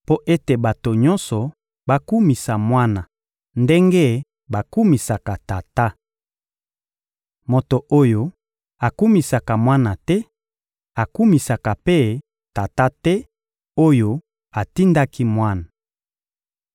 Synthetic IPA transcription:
po˦ʔe˦te˨ba˨to˨ɲɔ˦nsɔ˨ | ba˦ku˦mi˨sa˨mwa˦na˨ | nde˦ŋɡe˦ | ba˨ku˦mi˨sa˨ka˨ta˨ta˦ | mo˨to˨ʔo˦jo˦ | a˨ku˦mi˨sa˨ka˨mwa˦na˨tɛ˦ | a˨ku˦mi˨sa˨ka˨pe˦ | ta˨ta˦tɛ˦ | o˦jo˦ | a˨ti˦nda˦ki˦mwa˦na˨

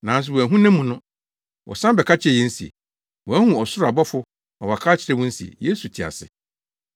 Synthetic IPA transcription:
nã˨n˦s̬ɪ˨wɔ˨æ˨ɦũ˦nɛ̃˦mːũ˨nʊ̃˦ | wɔ̰˨sã˦bɛ˨kʰa˦t͡ɕʰɪ˦ɛ˨jɛ̃˦n̩˦si˨ḛ˨ | wɔ˨æ˦hũ˨ɔ˨sʊ˦ɾa˨bɔ˦fʊ˦ | ɔ˨wa˨kʰa˦t͡ɕʰɪ˨ɾɛ˦wɔ̃˦n̩˦si˨ḛ˨je˦su˨tʰɪ˨a̰˨sɪ̰˨

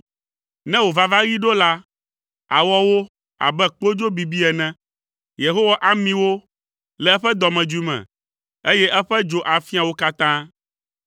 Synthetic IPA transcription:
nɛ̃˦wo˨va˨va˦ɣi˦ɖo˦la˦ | a̰˨wɔ˦wo˦ | a̰˨bɛ˦k͡po˦d͡ʒo˦bi˨bi˦ɛ˨nɛ̃˦ | je˨ɦo˦wa˦ʔa˦mĩ˦wo˦ | lɛ˨ɛ˦ɸɛ˦d̪ɔ˨mɛ̃˨d͡ʒu˦mɛ̰̃˨ | e˦jɛ˦ʔɛ˦ɸɛ˦d͡ʒo˦ʔa˨fi˦a˨wo˦ka˦t̪ã˦

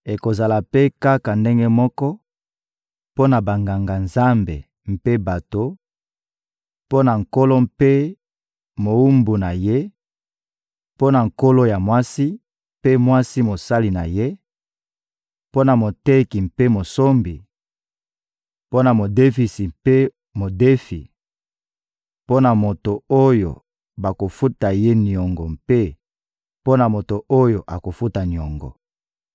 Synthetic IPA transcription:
e˨ko˨za˨la˨pe˦ka˦ka˨nde˦ŋɡe˦mɔ˦kɔ˦ | po˦na˨ba˨ŋɡa˨ŋɡa˨nza˦mbḛ˨ | m̩˨pe˦ba˨to˦ | po˦na˨ŋ̩˨ko˦lo˦m̩pe˦ | mo˨u˦mbu˨na˨je˦ | po˦na˨ŋko˦lo˦ja˨mwa˦si˦ | pe˦mwa˦si˦mo˨sa˦li˨na˨je˦ | po˦na˨mo˨te˦ki˨m̩pe˦mo˨so˦mbi˨ | po˦na˨mo˨de˦fi˨si˨pe˦ | mo˨de˦fi˨ | po˦na˨mo˨to˨o˦jo̰˨ | ba˨ko˨fu˦ta˨je˦ni˨ɔ˨ŋɡɔ˨mpe˦ | po˦na˨mo˨to˨ʔo˦jo˨ʔa˨ko˨fu˦ta˨ni˨ɔ˨ŋɡɔ̰˨

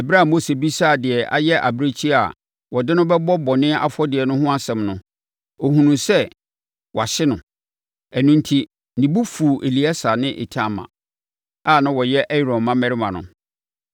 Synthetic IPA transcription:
ɛ˨bɾa˦˨mo˦se˨bi˦sa˦˨dɪ˨ɛ˨ʔa̰˦jɛ˦ʔa̰˨bɾe˦t͡ɕʰi˦a˨ | wɔ˨dɪ˦nʊ̃˦bɛ˦bɔ˦bɔ˨nɪ̃˦a̰˦fɔ˦dɪ˨ɛ˨nʊ̃˦ɦʊ̃˦a˦sɛ̃˨mnʊ̃˦ | o˨hũ˨nũ˨sɛ˦ | wɔ˨a˨ɕɪ˦nʊ̃˨ | æ˨nũ˦n̩tʰi˦ | nĩ˨bu˦fu˨ʔe˨li˨˦a˦sa˨nɪ̃˦ʔḛ˨tʰã˦˨mã̰˨ | a˦˨nã˦wɔ˨jɛ˦ʔɛ˦i˦˨ɾɔ̃˨mmã˦mɛ̃˨ɾɪ˦mã˨nʊ̰̃˨

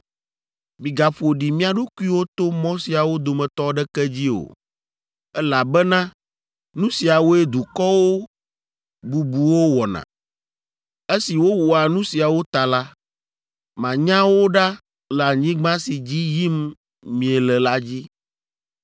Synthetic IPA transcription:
mĩ˨ɡa˨ɸo˨ɖi˨mĩ˦a˨ɖu˦ku˦i˦wo˦t̪o˦mɔ̃˦si˨a˨wo˦d̪o˨mɛ̃˨t̪ɔ˦ɖɛ˦kɛ˦d͡ʑi˦o̰˨ | ɛ˦la˨bɛ˦nã˦ | nũ˦si˨a˨wo˦e˦d̪u˨kɔ˦wo˦ | bu˨bu˨wo˦wɔ˨nã̰˨ | e˦si˨wo˦wɔ˨a˨nũ˦si˨a˨wo˦t̪a˨la˦ | mã˨ɲã˦wo˦ɖa˦ | lɛ˨a˨ɲĩ˦ɡ͡bã˦si˨d͡ʑi˦ji˦m | mĩ˨ɛ˨lɛ˨la˦d͡ʑi˦

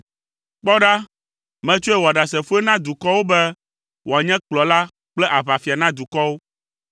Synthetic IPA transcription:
k͡pɔ˦ɖa˦ | mɛ̃˦t͡ʃo˦e˦wo˨a˨ɖa˨sɛ˨fu˦e˦nã˦d̪u˨kɔ˦wo˦bɛ˦ | wo˨a˨ɲɛ̃˦k͡plɔ˨la˦ | k͡plɛ˦ʔa˨βa˨fi˨a˨nã˦d̪u˨kɔ˦wo˦

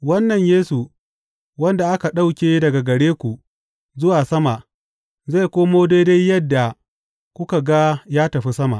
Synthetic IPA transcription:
wɐ˦nːɐ˨ɲjeː˦su˨ | wɐ˦nda˨ʔa˦ka˨ɗa˦wkʲeː˦dɐ˨ɡa˨ɡɐ˨ɽeː˦kʷu˨ | zʊ˦waː˨sɐ˦ma˨ | za˦˨kʷoː˦moː˦deː˦de˦jjɐ˦dːa˨ | kʷʊ˦ka˨ɡa˦jaː˦tɐ˨ɸi˦sɐ˦ma̰˨ʔ

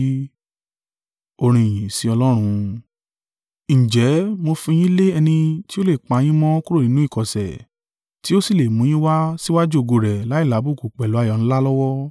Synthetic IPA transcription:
o˧ɾ̃ĩ˧˨j̃ĩ˨si˨˧ɔ˧lɔ˦ɾ̃ũ˧ | ñ̩˨d͡ʒɛ˨˦mo˧fĩ˧j̃ĩ˦le˦ɛ˧nĩ˧ti˦o˦le˦˨k͡pa˧j̃ĩ˦mɔ̃˦ku˦ɾo˦˨nĩ˨˦nũ˦i˦˨kɔ˨sɛ̰˨ | ti˦o˦si˦˨le˨mũ˨˦j̃ĩ˦wa˦si˦wa˦d͡ʒu˦o˧ɡo˧ɾɛ˨la˨˦i˦˨la˨˦bu˦˨ku˨k͡pɛ˨lu˨˦a˧˨jɔ˨ñ̩˦la˦lɔ˦wɔ˦

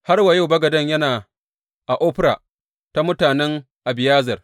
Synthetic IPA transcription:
ha˦rwa˨ja˦wbɐ˦ɡɐ˨dɐ˦ɲjɐ˦naː˨ | ʔa˨ʔoː˦ɸɪ˦ɾa̰ː˨ | ta˦mʊ˦taː˨nɛ˦ŋ | ʔa˨bɪ˨jaː˦zɐ˨r

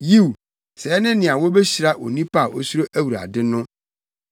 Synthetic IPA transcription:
ji˦˨wu˨ | sɛ˨ɛ˦nɪ̃˦nɪ̃˨a˨wo˦bɛ˦ɕi˨ɾa˦ʔo̰˨nĩ˦pʰa˦˨ʔo˦su˦ɾo˦ʔæ˦wu˨ɾa̰˨dɪ˦nʊ̃˦

